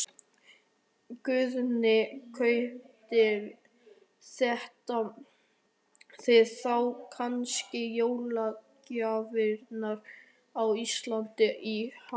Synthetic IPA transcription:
kʏðnɪkʰœɥht̪ɪɾ | sɛht̪a | θeðθawkʰanscɪjoːwlacavɪɾnaɾ | awist̪lant̪ɪʔiha

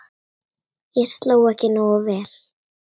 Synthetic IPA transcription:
ɪst̪lawacɪnaɔvɛːl̥

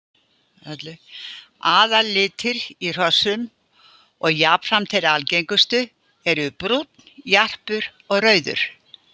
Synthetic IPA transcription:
ɛt̪lɪ | aːðalɪːt̪ʰɪɾir̥ɔsʏm | ɔɣjaːpfɾamt̪ʰɪlɾalcejŋkʏst̪ʏ | ɛɾʏpɾut̪njar̥pʏɾ | ɔɣrœːɥðʏ̰ɾ̥

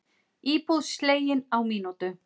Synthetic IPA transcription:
iːpuðsleːjɪnawmiːnut̪ʏ

